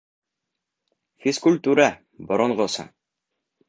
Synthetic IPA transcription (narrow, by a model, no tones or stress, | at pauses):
fiskʉlʲt̪uɾa | bŏɾŏɴʁosɤ̰